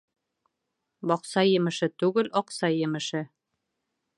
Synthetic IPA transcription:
bɒqsɑjɘ̆mɘ̆ʃɘt̪ʉɡɘlɒqsɑjɘ̆mɘ̆ʃɘ

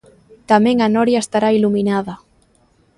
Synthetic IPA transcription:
t̪amɛ̃ŋanɔɾjaest̪aɾailuminaða

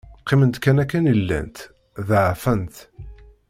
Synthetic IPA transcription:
qːimənt̪kænækːænəlːæ̰nt̪ | ðəʕfənt̪

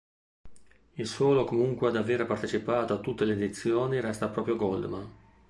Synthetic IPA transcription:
ilswɔːlokomuŋkwead̪aveːɾepart̪et͡ʃipaːt̪oat̪ːut̪ːeleːd̪it̪sːjoːniɾɛst̪apːɾɔːpɾjoɡɔld̪man

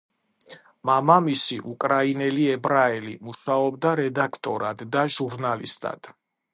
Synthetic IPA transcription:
mamamisiʔukʼɾainɛliɛbɾaɛlimuʃaɔbd̪aɾɛd̪akʰt̪ʼɔɾad̪ːaʒuɾnalḭst̪ʼa̰d̪̥

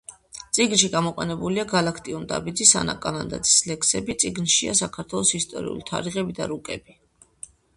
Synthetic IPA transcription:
t̪sʼiɡnʃiɡamɔqʼɛnɛbuliaɡalakʰt̪ʼiund̪a̰bid̪zisana̰kʼanand̪a̰d̪zislɛkʰsɛbit̪sʼiɡnʃia̰sakʰaɾt̪ʰwɛlˠɔsist̪ʼɔ̰ɾḭṵlit̪ʰa̰ɾiʁɛbid̪a̰ɾukʼɛbi

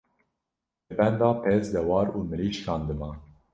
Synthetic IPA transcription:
ɛbɛnd̪ɑːpʰezd̪ɛwɑːɾuːmɨɾiːʃkʰɑːnd̪ɨmɑː

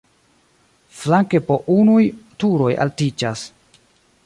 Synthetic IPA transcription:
flaŋkepoʔunujtuɾo̞jʔa̰ltid͡ʒas

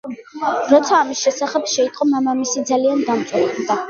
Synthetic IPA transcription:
ɾɔt̪sʰaːmisʃɛsaχɛpʃɛit̪ʼqʼɔmamamisid̪zaliand̪amt̪sʼwɛɾd̪a

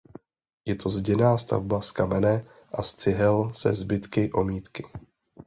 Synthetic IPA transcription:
jɛt̪ʰo̞zɟɛnaːst̪a̰vbaskamɛnɛ | ʔast͡sɪɦɛlsɛ̰zbɪt̪kɪʔo̞miːt̪kɪ

